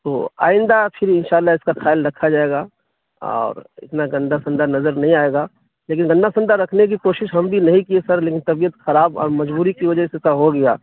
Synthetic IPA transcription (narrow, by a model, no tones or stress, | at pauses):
t̪o̰ːa̰ːɪ̃nd̪apʰɪɾɪnʃaːlːaɪskaxʰaːɪlɾɐkʰad͡ʒaːeːɡaː | ɔ̰ːɾɪ̰t̪naɡɐ̃nd̪ʱasɐ̃nd̪ʱanɐzəɾnɐɦĩaːeːɡaː | leːkɪnɡɐ̃nd̪ʱasɐ̃nd̪aɾɐkʰnek̬ikoːʃɪʃɦɐmbʱinɐɦĩkiesɐɾleːkɪnt̪ɐbijət̪xɐɾaːbɔ̰ːɾmɐd͡ʒbuːɾikiʋɐd͡ʒəsesaɦoɡɐja̰ː